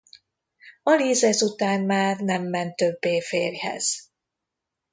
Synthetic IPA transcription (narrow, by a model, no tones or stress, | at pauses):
ɒliːzɛsut̪aːnmaːrnɛmːɛnt̪ːø̞bːeːfeːrhɛ̰z̥